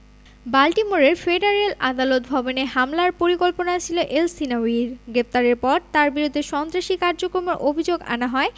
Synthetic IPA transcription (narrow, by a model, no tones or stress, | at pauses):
balʈimoɾeɾfeɖaɾelʔa̰d̪alot̪̚bʱɔboneɦamlaɾpoɾikolponat͡ɕʰiloʔelsinawiɾɡɾep̚t̪aɾeɾpɔɾt̪aɾbiɾud̪ʱːeʃɔnt̪ɾaʃikaɾd͡ʑokɾomoɾʔobʱid͡ʑoɡa̰naɦɔe